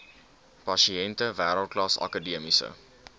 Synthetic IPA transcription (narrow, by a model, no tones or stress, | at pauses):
pɐʃiɛntəvæːɾəlˠt̚klɑsɐ̰kədiəmisə̰